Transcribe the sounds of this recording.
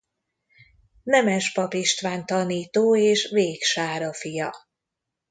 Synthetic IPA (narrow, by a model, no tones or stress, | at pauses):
nɛmɛʃpɒpiʃt̪ʋaːnt̪ɒniːt̪oːeːʃveːkʃaːɾɒfijɒ